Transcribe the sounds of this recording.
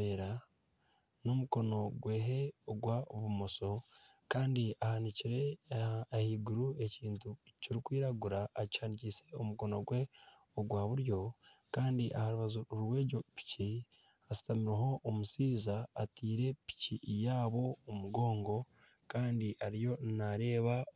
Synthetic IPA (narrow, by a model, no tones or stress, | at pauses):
eːɾa | no̞muko̞no̞ɡwe̞ːɦe̞oɡwaoβumo̞so̞ | kaːndiahaniciɾe̞ | hiːɡuɾue̞ciːntuciɾikwiːɾaɡuɾaʔːcaːnicise̞omuko̞no̞̰ɡwe̞ | oɡwaːβuɾjo̞kaːndiʔa̰haɾuβazowe̞ːɟopi̥ci | asi̥tamiɾeɦo̞ʔːmusiːzaːtiːɾe̞pi̥cijaːβo̞omuɡo̞ːŋɡo̞ | kaːndiʔaɾijo̞naɾe̞ːβa